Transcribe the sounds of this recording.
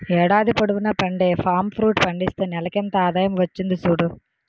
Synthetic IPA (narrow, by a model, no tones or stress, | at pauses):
ɛːɽaːd̪ipɐɽuʋunɐpɐɳɖe̞ːpʰaːmpʰɾuːʈpɐɳɖist̪eːnɛlɐkɛnt̪ɐaːd̪aːjɐmʋɐt͡ʃːind̪isuːɽu